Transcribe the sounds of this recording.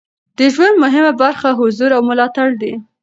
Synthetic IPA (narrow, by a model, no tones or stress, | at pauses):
d̪̥əʒwand̪mʊɦɪmabaɾxaɦʊzuɾawmʊlɑt̪aɽd̪i